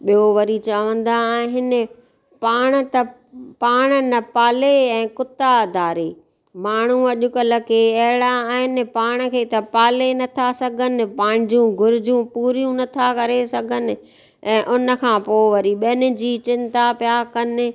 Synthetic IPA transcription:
ɓijoʋɐɾit͡ɕaʋə̃n̆d̪ãɦɪnɪ̆ | paːɽ̃ə̆t̪ɐ | paːɽ̃ənɐpaːleɛ̃ːkʊt̪ad̪ʱaːɾeː | maːɳ̤̃ũɐʄʊkələkeɐɦɪɽaːɦɪnɪ̆paːɽ̃ə̆kʰeːt̪ɐpaːlenɐt̪ʰasɐɡʱənɪ̆pãːɪ̃ñ̆d͡ʑũɡʱʊɾɪd͡ʑjũpuːɾijũnɐt̪ʰakɐɾesɐɡʱənɪ̆ | ɛ̃ːʔʊnə̆kʰãːpoːʋɐɾiɓɐnɪ̆d͡ʑiːt͡ɕɪ̃nt̪apjakɐnɪ̆

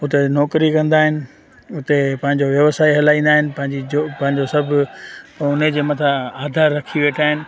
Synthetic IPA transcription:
ʊt̪enɔːkɾikɐ̃nd̪aːɦɪnɪ̆ | ʊt̪epɐ̃ɦɪ̃ɲd͡ʑoʋjɐʋsaːeɦɐlaːĩːnd̪aːɦɪnɪ̆pɐ̃ɦɪ̃ɲd͡ʑid͡ʑopɐ̃ɦɪ̃ɲd͡ʑosɐbʱɪ | ʊned͡ʑeːmɐt̪ʰaaːd̪ʱaːɾːɐkʰiʋeːʈʰaːɦɪnɪ̆

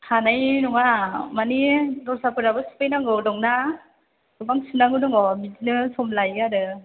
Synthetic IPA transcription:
hanajnɔŋamanidɔsapɯɾabɯsu̥pʰajnaŋɯwdɔŋna | ɡɯbaŋsɯnaŋɯnɯŋɔmidinɯsɔmlajadɯ

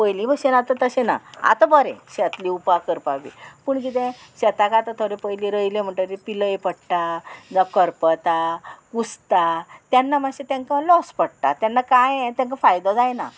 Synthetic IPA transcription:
pəjlĩbəɕenat̪at̪əɕẽna̰a̰t̪abəɾɛ̰̃ɕɛt̪liupakəɾpaʋḭpəɳkit̪ɛ̃ɕɛt̪akaːt̪at̪ʰoɾepəjlĩɾəjlẽm̤əɳʈaɾipiləjepəɽʈad͡zakəɾpət̪akust̪at̪janːamaɕet̪ãŋkãlɔspəɽʈ̪a̰t̪janːakãjɛ̃t̪jãŋkãfajd̪ɔ̃d͡zajna̰

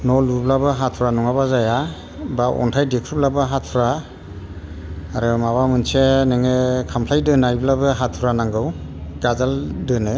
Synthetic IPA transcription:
nɔlublabɯɦatʰuɾanɔŋabazaja | baʔɔ̰ntʰajdekʰɾub̚labaɦat̚ʰuɾa | ɾɯmaβamɯnseneŋekʰampʰlajdɯnajblabɯɦatʰuɾanaŋɡɯw | ɡazaldɯnɯ

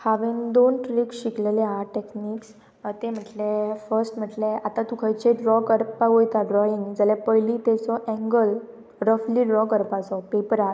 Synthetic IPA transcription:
haʋiŋd̪onʈɾikɕikleleɦaʈekniːks | t̪em̤əʈlefəɾsʈm̤əʈleat̪at̪ukʰajt͡ɕeɖɾɔkəɾpaɦojt̪aɖɾɔiŋɡd͡zalapəjlit̪ɛt͡sɔʔɛ̃ŋɡəl | ɾəfliɖɾɔkəɾpat͡sɔpepəɾa

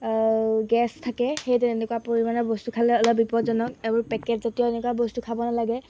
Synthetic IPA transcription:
ɡɛstʰakɛxejtɛɛnɛkwapoɹimanɔbɔstukʰalɛɔlɔbipɔtzɔnɔk̚ebɔɹpɛkɛtzatijɔɛnɛkuabɔstukʰabɔnalaɡɛ

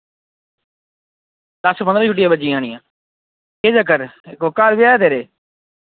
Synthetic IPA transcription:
d̪əspənd̪ɾãːt͡ʃʰʊʈ̬ːijãːbəd͡ʒiːaːɳɪ̃jãː | keːd͡ʒəkəɾɪkʋʊkːaːɾbɪjaːt̪eːɾeː

